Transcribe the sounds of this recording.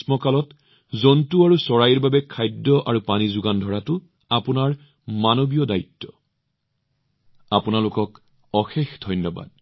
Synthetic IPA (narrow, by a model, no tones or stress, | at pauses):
smɔkalɔt | zɔntuaɹusɔɹajiɹbabɛkʰajdːɔʔaɹupanizʊɡandʱɔɹatʊ | apʊnaɹ | manobijɔdaitːɔ̥ | apʊnalʊkɔk | ɔxexdʱɔjnːɔba̰d̚